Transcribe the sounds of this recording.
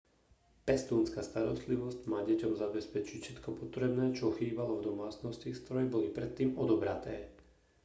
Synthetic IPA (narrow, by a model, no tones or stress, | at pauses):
pɛst̪uːnskast̪aɾɔst̪liʋɔscmaːɟɛcɔmzabɛspɛt͡ʃicfʃɛt̪kɔpɔt̪ɾɛbnɛːt͡ʃɔɔxiːbalɔvd̪ɔmaːt͡snɔscist̪ɾɔɾɛɛbɔlipɾɛt̪ːiːmɔd̪ɔbɾat̪ɛː